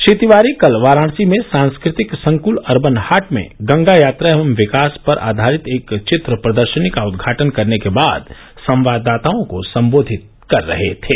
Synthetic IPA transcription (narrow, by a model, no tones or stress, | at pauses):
ʃit̪iʋaːɾikɐlʋaːɾaːɽ̃simẽsãːnskɾɪt̪ɪksɐ̃ŋkʊlɐɾbənhaːʈmḛ̃ɡɐ̃ŋɡajaːt̪ɾaʋəmʋɪkaːspɐɾʔa̰ːd̪ʱaːɾɪt̪eːkt͡ʃɪt̪ɾəpɾɐd̪əɾʃənikaʊd̪ɡʱaːʈənkɐɾnekebaːd̪ | sɐ̃mʋaːd̪ːaːt̪aõkosɐ̃mboːd̪ʱɪt̪̚ | kɐɾːɐ̰ɦet̪ʰeː